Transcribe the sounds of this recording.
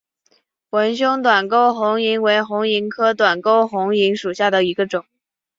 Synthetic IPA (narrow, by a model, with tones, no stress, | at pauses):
xwə˧˥nɕ̬jʊ˥ŋt̪wa˨˩nko˥˩ʊxʊ˧˥ŋi˧˥ŋwe˧˥ɪxʊ˧˥ŋi˧˥ŋkʰɤ˥t̪wa˨˩nko˥ʊxʊ˧˥ŋi˧˥ŋʂu˨˩ɕja˥˩d̪ə˩i˧˥ɡə˧ʈ͡ʂʊ˨˩˦ŋ